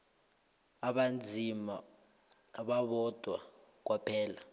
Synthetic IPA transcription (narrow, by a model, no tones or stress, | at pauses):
aɓand͡zʱimaː | ɓaɓɔd̥ʱwa | k̬wapʰɛːla